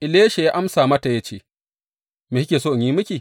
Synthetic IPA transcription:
ʔɪ˨leː˦ʃe˨jaː˦ʔa˦msaː˨mɐ˦ta˨ja˦t͡ʃḛː˦ | meː˨hkʲeː˨soː˦ʔa˨ɲjiː˦mʊ˦kʲiː˨

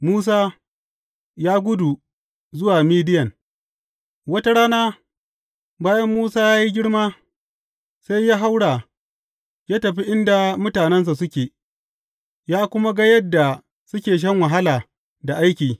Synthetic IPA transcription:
muː˦s̬aː˦ | jaː˦ɡʷʊ˦du˨ | zʊ˦waː˨miː˦dɪ˦jɐ˨n | wɐ˦ta˦ɽaː˦naː˦ | baː˦jɐ˦mːuː˦saː˦jaː˦ji˦ɡʲɪ˦ɽmaː˦ | sa˦jːaː˦ɦa˦wɽaː˨ | jaː˦tɐ˨ɸi˦ʔɪ˦nda˨mʊ˦taː˨nɛ˦ns̬a˨sʊ˦kʲeː˨ | jaː˦kʷʊ˦ma˦ɡa˦jɐ˦dːa˨ | sʊ˦kʲeː˨ʃ̬ɐ˦ŋwa˨ɦa˦laː˨ | da˨ʔa˦jkʲiː˨

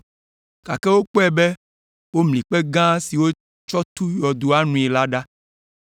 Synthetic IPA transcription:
ka̰˨kɛ˦wo˦k͡pɔ˦ɛ˨be˦ | wo˦mlĩ˨k͡pe˦ɡã˦si˨wo˦ | t͡ʃɔ˦t̪u˦jɔ˨d̪o˨a˦nũ˨i˨la˦ɖa˦

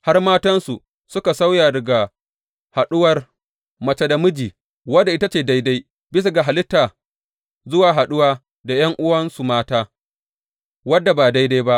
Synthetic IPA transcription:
ha˦rmaː˦tɐ˦nsu˨ | sʊ˦ka˨sa˦wjaː˨dɐ˨ɡa˨ | ha˨ɗʊ˦wɐ˨r | mɐ˨t͡ʃe˦da˨mʊ˦d͡ʒiː˨ | wɐ˦dːa˨ʔɪ˦ta˦t͡ʃeː˨da˦jda˦j | bɪ˦s̬a˨ɡa˨ɦa˨lɪ˦tːaː˨ | zʊ˦waː˨ɦa˨ɗʊ˦waː˦ | da˨jɐ˦ŋʔʊ˦wɐ˦nsu˨maː˦taː˦ | wɐ˦dːa˨baː˨da˦jda˦jba˦ʔ

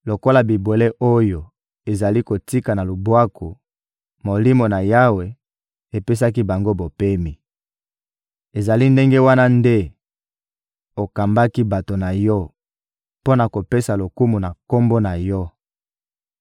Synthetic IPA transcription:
lo˨ko˦la˨bi˨bwe˨le˦ʔo˦jo˨ | e˨za˨li˦ko˨ti˦ka˨na˨lo˨bwa˦ko˨ | mo˨li˦mo˨na˨ja˦we˨ | e˨pe˦sa˦k̬i˦ba˨ŋɡo˦bo˨pe˦mi˨ | e˨za˨li˦nde˦ŋɡe˦wa˦na˦nde˦ | o˨ka˨mba˦ki˦ba˨to˨na˨jɔ˦ | po˦na˨ko˨pe˦sa˨lo˨ku˦mu˨na˨ko˦mbo˦na˨jɔ˦

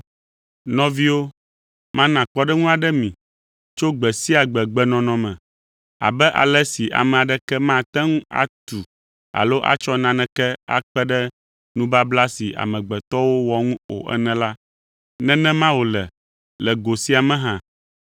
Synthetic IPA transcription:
nɔ̃˦vi˦wo˦ | mã˦nã˨k͡pɔ˦ɖɛ˦ŋũ˦a˨ɖɛ˦mĩ˨ | t͡ʃo˦ɡ͡bɛ˨si˦a˨ɡ͡bɛ˨ɡ͡bɛ˦nɔ̃˨nɔ̃˨mɛ̃˨ | a̰˨bɛ˦ʔa̰˨lɛ˦si˨ʔa̰˨mɛ̃˨a˨ɖɛ˦kɛ˦mã˦t̪ɛ˦ŋũ˦a̰˨t̪u˨ | a̰˨lo˦ʔa̰˨t͡ʃɔ˦nã˦nɛ̃˦kɛ˦a̰˦k͡pɛ˦ɖɛ˦ | nũ˦ba˦bla˦si˨a̰˨mɛ̃˨ɡ͡bɛ˨t̪ɔ˦wo˦wɔ˨ŋũ˦o̰˨ʔɛ̰˦nɛ̃˨la˦ | nɛ̃˦nɛ̃˦mã˦wo˨lɛ˨ | lɛ˨ɡo˨si˦a˨mɛ̃˦ɦã˦

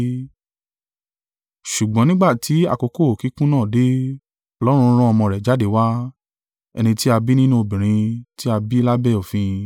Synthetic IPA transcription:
ʃu˨ɡ͡bɔ̃˨˦nĩ˦ɡ͡ba˦˨tʰi˨˦a̰˧˨ko˧ko˦o˨ki˨˦kũ˦nãː˦˨de˦ | ɔ˧lɔ˦ɾ̃ũ˧˦ɾ̃ũ˦ɔ˧mɔ̃˧ɾɛ˨d͡ʒa˨˦de˨˦˨wa˦ | ɛ̰˧nĩ˧ti˦a˧bi˦nĩ˦nũ˦o˧bĩ˨ɾ̃ĩ˧ti˦a˧bi˦la˦bɛ˦˨o˨fĩ˧

